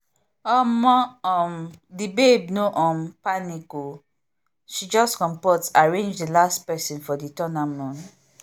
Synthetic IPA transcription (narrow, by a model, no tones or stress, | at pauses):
ɔmɔ̃ɔmdibeb̚nõʔɔ̃mpaniko | ʃid͡ʒɔskɔ̃mpɔtsaɹẽnd͡ʒdilastpɛsĩnfɔditɔnamɔ̃n